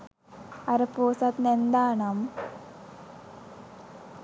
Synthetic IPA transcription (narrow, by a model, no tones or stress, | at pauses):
ɐɾɐpoːsɐt̪nend̪aːnam